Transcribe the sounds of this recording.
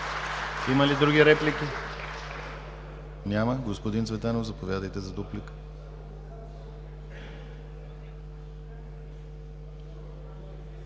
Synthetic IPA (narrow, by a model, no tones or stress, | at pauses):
iməlid̪ɾuɡʲiɾɛplikʲi | nʲaməɡospod̪insvɛt̪ɛnovzɐpovʲjad̪əjt̪ɛzɐd̪uplik